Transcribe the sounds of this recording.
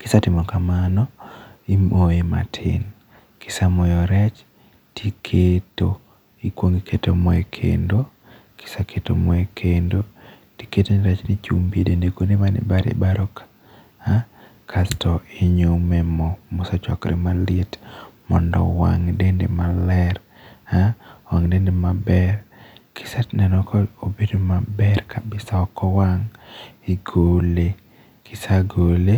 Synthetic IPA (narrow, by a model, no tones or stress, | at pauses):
kɪsatɪmɔkamanɔimʔoema̰tʰɪ̰n | kɪ̥samɔjɔɾɛt͡ʃ | tʰikʰeto | ikwoŋɡikʰetomɔekʰḛndo | kɪ̥sakʰetomɔekʰendo | tiketoniɾɛt͡ʃnit͡ʃumbiedendekoneβanɪ̰baɾḛbaɾɔka | a | kʰastʰɔeɲomɛmɔmʊsɔt͡ʃɔ̰kɾʔɪ̰malɪetmɔndɔ̰wa̰ŋdendḛmalɛɾ | hawaŋdendemabɛrkʰɪ̥satnɛnɔkʰɔobedomabɛrkʰabɪsaɔkɔwaŋɪɡole | kʰɪsaɡole